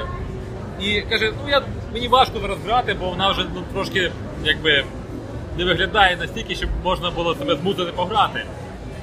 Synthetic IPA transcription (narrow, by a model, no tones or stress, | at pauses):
ikɐʒɛnuja | menʲiʋɑʃkɔɐɾɔzɦɾɑt̪ɪbɔʋɔnɑwʒɛnut̪ɾɔʃkɪ | jaɡ̚bɪ | nɛʋɪɦlʲɐd̪ɑjɛnɐsʲtʲilʲkʲɪʃt͡ʃɔbmɔʒnɐbʊlˠɔsɐbɛzmut̪ɪt̪ɪpɔɦɾɑt̪ɪ